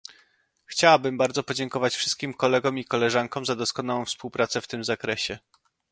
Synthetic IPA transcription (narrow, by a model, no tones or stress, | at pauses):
xt͡ɕawabɘmbaɾd̪zɔpɔd͡ʑɛŋkɔvat͡ɕfʂɘst̪̚kʲimkɔlɛɡɔ̃mikɔlɛʐaŋkɔ̃mzad̪ɔskɔnawɔ̃w̃fspuwpɾat̪sɛft̪ɘmzakɾɛɕɛ